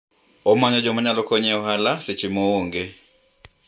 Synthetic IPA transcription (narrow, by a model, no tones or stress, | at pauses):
ɔmaɲɔd͡ʒɔmaɲalɔkɔɲɛɔɦalaset͡ʃɪmooŋɡe